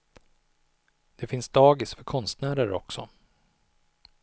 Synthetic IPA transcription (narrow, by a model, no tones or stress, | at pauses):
d̪̥ɛfɪnsd̪ɑːɡɪsfœɾkʰɔnst̪næːɾəɾɔ̰ksɔ